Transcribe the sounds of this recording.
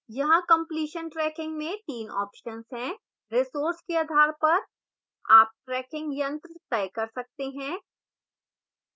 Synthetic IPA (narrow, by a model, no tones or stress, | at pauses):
jɐɦãkɐ̃mpliːʃənʈɾɛːkɪ̃ŋɡmẽt̪iːnɔ̰ːpʃənsɦɛ̃ | ɾɪsoːɾskeaːd̪ʱaːɾpɐɾ | a̰ːp̚ʈɾɛːkɪ̃ŋɡjɐ̃nt̪ɾət̪ɛjkɐɾsɐk̚t̪eɦɛ̃ː